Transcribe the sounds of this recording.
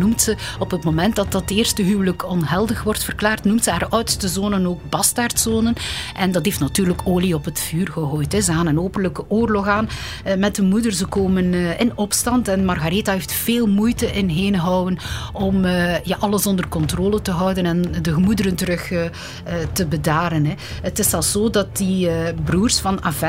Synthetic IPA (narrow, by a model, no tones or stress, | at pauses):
numtsəɔpətmoːmɛntdɑt̚dɑteːrstəɦyːwələkɔnɦɛlˠdəxʋɔrtfərklaːrtnumtsəaːrœɥtə̥stəzoːnənoːk̚bɑstartsoːnənʔɛndɑtɦeːftnatyːrləkoːliɔpətfyːrɣəɦoːjtəzəaːnənoːpənləkəʔoːrlɔxaːn | mɛtdəmudərzəkoːmənʔɪnɔpstɑntɛnmɑrɣaɾetaɦeːftfeːlˠmujtəʔɪnɦeːnɦɔwənɔməjaːʔɑləsɔndərkɔntroːlətəɦœwdənɛndəɣəmudəɾəntəɾɵxː | təbədaːɾənɦɛ | ətɪsɛlˠszoːdɑt̚ibruːrsfɑnavɛ